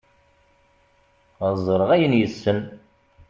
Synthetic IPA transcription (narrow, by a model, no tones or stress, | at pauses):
əzˤːɾˤəʁæjənjəsːən